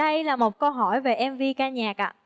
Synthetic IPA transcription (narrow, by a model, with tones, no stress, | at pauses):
ɗə˧jlaː˨˩mo˨˩t̚kə˧wɦɔ˧˩jve˨˩ʔɛ˧mvi˧kaː˧ɲaː˨˩k̚ʔa̰ː˧˨